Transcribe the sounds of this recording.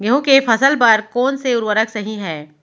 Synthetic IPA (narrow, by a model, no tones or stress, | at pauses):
ɡeɦõkefɐsəlpəɾkoːnseʊɾwəɾəksɐɦĩɦɛː